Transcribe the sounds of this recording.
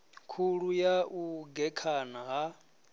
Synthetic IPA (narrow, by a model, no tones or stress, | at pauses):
kʰuɺujaʔuɡɛkʰanaɦa